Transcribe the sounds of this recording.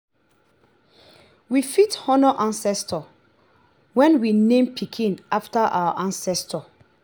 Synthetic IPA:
wifithɔnɔʔãnsɛstɔ | wɛ̃nwinẽmpʰikʰĩnaftaʔa̰waʔãnsɛstʰɔ

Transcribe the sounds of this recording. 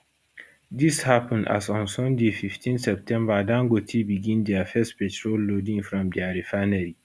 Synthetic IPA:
dishapə̃nda̰sɔ̃nsɔ̃ndefiftʰĩnsɛp̚tʰɛ̃mbadãŋɡotʰibiɡĩndɛafɛstpɛtʰɹolːodĩŋfɹɔ̃mdiaɾifanəɾi

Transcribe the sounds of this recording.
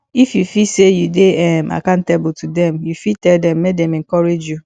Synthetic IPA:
ifjufisejudeɛmʔa̰kãntebtʰudɛ̃mjufitɛldɛ̃mːek̚dɛ̃mɛ̃ŋkɔɹed͡ʒju

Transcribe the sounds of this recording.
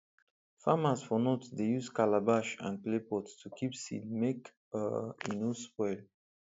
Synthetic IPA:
famazfɔnotdejuzkalabaʃã̰n̚plepɔtstʰukʰipsḭlmek | ə̰ĩnuspɔɪl

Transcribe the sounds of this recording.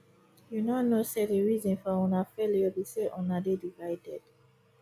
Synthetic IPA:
junɔnosediɹizɔ̃nfɔɔ̃nafeliɔbiseʔɔ̃nadedivaɪdɛd̥

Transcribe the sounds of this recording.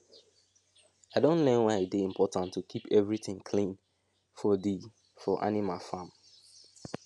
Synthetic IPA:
aɪdõntlɛ̃nwaɪɪdeĩmpʰɔtãntʰːukʰipɛvɹiθɪ̃ŋkʰlĩn | fɔdi | fɔʔa̰nimalfãm

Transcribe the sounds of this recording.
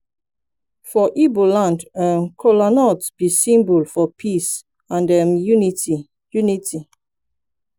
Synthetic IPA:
fɔʔibolãndəmkʰɔlanɔtsb̥isĩmbulfɔpʰis | ãndəmjuniti | juniti

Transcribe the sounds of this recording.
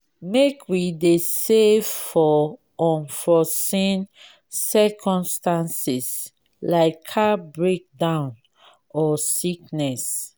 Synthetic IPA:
mekʰwidesevfɔ | ɔ̃nfɔsĩn | sɛkʰɔ̃mstãnsis | laɪkʰːabɹek̚dãʊ̃n | ɔsik̚nɛs

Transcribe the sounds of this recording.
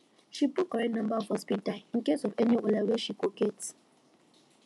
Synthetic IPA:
ʃipukɔɹɛnãmbaɔfhɔspitalĩnkesɔvɛniolɛwɛʃikoket

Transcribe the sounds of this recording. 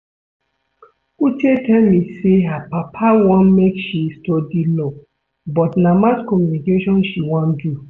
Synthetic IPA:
utetɛlmĩseapapʰawɔ̃nmekʃistɔdilɔ | bɔtnamaskɔmjunikeʃɔ̃nʃiwɔ̃ndu

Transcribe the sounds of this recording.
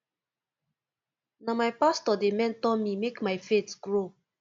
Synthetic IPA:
namajpastɔdemɛ̃ntɔmimekmajfetɡ̥ɹo

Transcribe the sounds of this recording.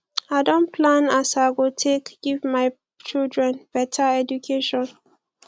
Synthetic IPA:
aɪdõnpʰlãnasaɪɡotʰekɡ̥ivmaɪ | t͡ʃildɹɛ̃nb̥ɛtʰaɛdukʰeʃɔ̃n

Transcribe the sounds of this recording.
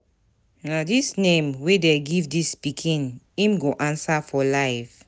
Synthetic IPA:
nadisnẽmwedɛɡivdispikʰĩn | ĩmɡoʔãnsafɔlaɪv

